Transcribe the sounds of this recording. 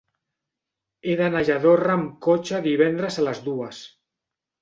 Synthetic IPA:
eðanaʒaðoramkot͡ʃaðiβ̞ɛnd̪ɾezalazðuas

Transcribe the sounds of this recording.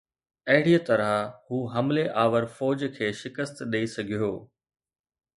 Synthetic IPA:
ɐɦɪɽijət̪ɐɾəhuːɦɐmleʔaːʋəɾfɔːd͡ʑkʰeːʃɪkəst̪ɗeisɐɡʱijoː

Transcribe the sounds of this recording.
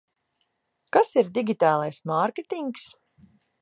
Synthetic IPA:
kasiɾd̪iɡʲit̪aːlˠajsmaɾkʲet̪iŋks

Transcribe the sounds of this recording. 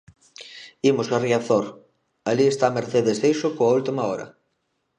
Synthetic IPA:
imʊsariaθoɾ | aliest̪ameɾθeðesðejsʊkoault̪imɐɔɾɐ̰

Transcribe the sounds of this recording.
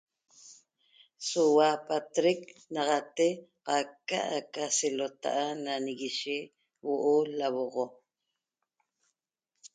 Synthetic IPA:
sowapat̪ɾek̚nɑʁɑt̪e | qɑkːa̰ʔakaselot̪a̰ʔananiɣiʃe | woʔolawoʁo

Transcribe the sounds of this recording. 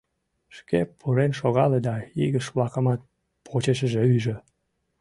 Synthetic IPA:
ʃkepʰːuɾenʃoɣɑled̪ɑiɣəʃβlɑkəmɑt̪̚ | pʰot͡ɕeʃəʒeyʒĕ

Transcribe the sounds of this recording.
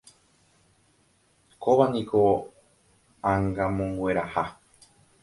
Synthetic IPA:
koβanĩkʰo | ãŋɡamõŋɡwe̞ɾaha

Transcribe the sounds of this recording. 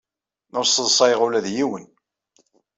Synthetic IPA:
nʊɾsəðsˤɑjʁʊlæðjiwən

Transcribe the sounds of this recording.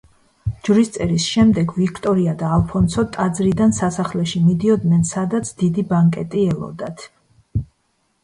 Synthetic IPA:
d͡ʒɾist̪sʼɛɾisʃɛmd̪ɛɡvikʰt̪ʼɔɾiad̪aːlˠpʰɔnsɔt̪ʼad̪zɾid̪ansasaχlɛʃimid̪iɔd̪nɛnsad̪at̪sʰd̪̥id̪ibaŋkʼɛt̪ʼiɛlˠɔ̰d̪at̪ʰ

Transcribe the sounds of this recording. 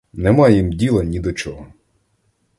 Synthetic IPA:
nɛmɑjjimdʲilˠɐnʲid̪ɔt͡ʃɔɦɔ

